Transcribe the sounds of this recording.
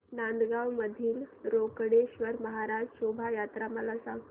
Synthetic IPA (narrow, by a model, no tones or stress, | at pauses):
nand̪ɡawməd̪ʱiːlɾokɽeɕʋəɾməɦaɾad͡ʑɕobʱajat̪ɾaməlasa